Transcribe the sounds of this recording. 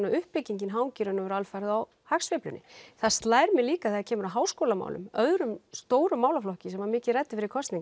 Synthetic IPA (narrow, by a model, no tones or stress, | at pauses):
naʏhpːɪciɲcɪnɦaːwŋciɾʏnʏvɛɾalfajɾðaw | haksvɪplʏ̰nːɪ̰θast̪laːjɾmɛliːkaθɛðacʰɛːmʏɾaɦaːwskoːwlama̰wlʏ̰mœðɾʏmst̪oːwɾʏmːaːwlaflɔhcɪsɛmvaɾmɪːcɪðrɛt̪ːɪfɪɾɪɾkʰɔst̪niŋk